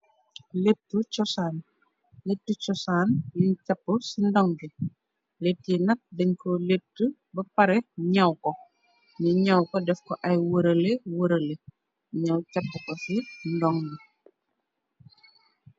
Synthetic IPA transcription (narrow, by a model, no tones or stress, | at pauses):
lep̚tːut͡ʃɔsaːn | letːut͡ʃɔsaːnjincapːəsindɔŋɡi | letːinɐt̚dɛɲkɔletːu | bɐpɐɾɛɲɐwkɔ | niɲɐwkɔdɛfkɔʔɐjwəɾɐlewəɾəle | ɲawcɐpːəkɔsindɔŋɡi